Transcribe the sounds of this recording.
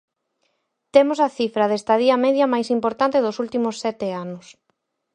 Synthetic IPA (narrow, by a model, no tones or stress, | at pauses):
t̪emosɐθifɾɐðest̪ɐðiɐmɛðjɐmajsimpoɾt̪ant̪eðʊsult̪imʊsːɛt̪ɪanʊs